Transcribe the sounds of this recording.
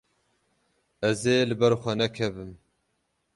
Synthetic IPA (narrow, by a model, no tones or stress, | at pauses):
ɛzeːlɨbɛɾxʷɛnɛkʰɛbɨm